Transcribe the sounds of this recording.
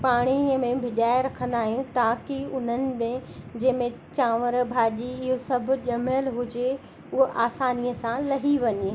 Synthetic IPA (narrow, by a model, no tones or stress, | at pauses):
paːɽ̃imẽbʱɪɗaːɪɾɐkʰə̃nd̪aːɦij̃t̪aːkiʊn̤ənɪ̆mẽd͡ʑẽːmẽt͡ɕaːʋəɾbʱaːʄiɪɦosɐbʱʊ̆ʄɐməlɦʊd͡ʑe | ʊɦoʔaːsaːnijəsãlɐɦiʋɐɲe